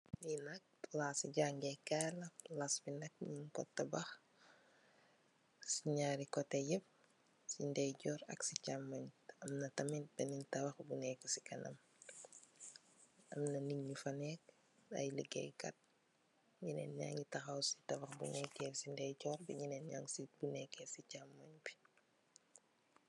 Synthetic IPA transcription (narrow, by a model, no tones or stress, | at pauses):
jinɐk̚laːsiɟaŋɡɛkalɐlasbinɐk̚minkɔ̰tːɐbax | siɲaːɾikɔtɐjəp̚ | sindɛjɟɔːɾɐ̰ksicamːɐɲɐmnɐtɐmit̚bɛnintɐwɐxbunɛkɔsi̥kɐnɐ̰m | ɐmnɐniŋɲufɐnɛːk̚ | a̰jləɡɛ̰jkɐ̰t̚ | ɲinɛ̰ːnɲa̰ŋitɐxawsi̥tɐwɐxbṵnɛkːɛsindɛjɟɔːrbiɲinɛnɲa̰ŋsibunɛkːɛsicamːaɲbi̥